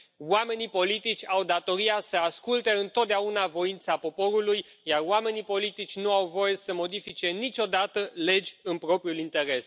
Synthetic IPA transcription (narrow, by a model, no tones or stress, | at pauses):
wame̞nipo̞lit̪it͡ʃʲawd̪at̪o̞ɾiasəaskult̪e̞ɨnt̪ot̪̚d̪eaunavo̞int̪sapo̞po̞ɾuluj | jaroame̞nipo̞lit̪it͡ʃʲnuawvo̞je̞səmo̞d̪ifit͡ʃe̞nit͡ʃʲo̞d̪at̪əle̞d͡ʒʲɨnpɾo̞pɾijulint̪e̞ɾe̞s